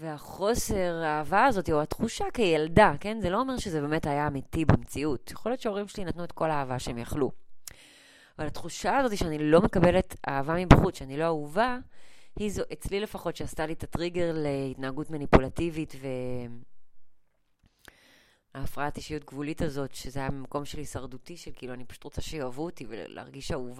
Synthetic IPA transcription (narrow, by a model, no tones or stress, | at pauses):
veaχo̞se̞ʁaːvaːzo̞tiuatχuʃakejeldake̞nzeloomeʁʃezebe̞me̞tajaːmitibemt͡siutjaχo̞lijo̞tt͡ʃeo̞ʁimʃelinatnuet̚ko̞laːvaʃehemjaχlu | avalhatχuʃaazo̞tiʃeanilo̞me̞kabe̞leta̰ːvamibaχut͡sʃeanilo̞auvahizoʔet͡slile̞faχo̞tʃeastalitatʁiɡe̞ʁleitnaːɡutmanipulativitve̞m | aːfʁaatiʃijutɡvulitazo̞tʃezeajamako̞mʃelhisaʁdutiʃelkiluanipḁʃu̥tʁot͡saʃejoavutivḛlḛa̰ʁɡiʃauv